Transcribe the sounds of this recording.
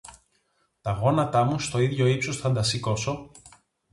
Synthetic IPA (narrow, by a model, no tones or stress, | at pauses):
t̪ɐɣo̞nɐt̪ɐmust̪o̞iðʝo̞ipsosθɐnd̪ɐsiko̞so̞